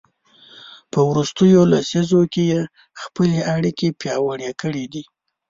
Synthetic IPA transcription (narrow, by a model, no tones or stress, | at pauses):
pəwɾust̪əjolasizokeje | xpəleʔaɽikepjɑwəɽjekəɽid̪i